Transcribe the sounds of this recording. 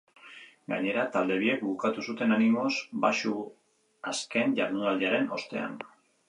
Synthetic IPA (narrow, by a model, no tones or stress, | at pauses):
ɡa̰ɲe̞ɾat̪ald̪e̞β̞ie̞kbukat̪usut̪e̞nanimo̞sbaʃu | aske̞nʝaɾnuðaleaɾe̞no̞st̪e̞̰a̰n